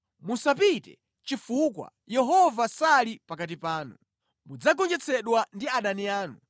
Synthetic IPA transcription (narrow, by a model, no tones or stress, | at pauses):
musapitɛ̰ | t͡ʃifukwa̰ | jɛɦɔvasalipakat̬ipaːnu | mud͡zak̬ɔnd͡ʒɛt͡sʰɛɗwandiaɗaniaːnu